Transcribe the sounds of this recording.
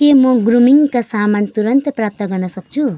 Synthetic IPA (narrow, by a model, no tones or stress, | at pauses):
kemʌɡɾumiŋkasamant̪uɾʌnt̪ʌprap̚t̪ʌɡʌrnʌsʌk̚t͡sʰu